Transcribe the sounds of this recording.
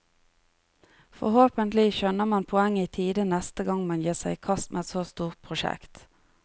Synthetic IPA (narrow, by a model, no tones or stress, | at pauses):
fɔ̰hoːpənt̪lɪʃœnəʁmɑnpʰɔɛŋːiːt̪ʰiːd̪ənɛst̪əɡɑŋmɑnjiːʁsæɪkʰɑst̪mʔḛːɛt̪soːst̪uːʁt̪̚pʰʁʊʃɛ̰kt̪